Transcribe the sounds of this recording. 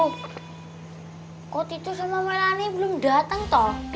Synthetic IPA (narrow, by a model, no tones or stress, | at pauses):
kot̪it̪usomamelaniblʊmɖa̤t̪əŋt̪ɔh